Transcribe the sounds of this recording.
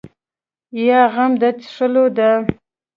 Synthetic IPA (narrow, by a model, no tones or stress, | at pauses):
jɑɣamd̪at̪ʂəlod̪a